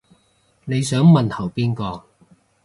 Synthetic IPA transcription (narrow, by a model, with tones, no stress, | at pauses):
ne˨˧jsœː˨˥ŋmɐ˨nhʰɐ˨˩wpiː˥nkɔː˧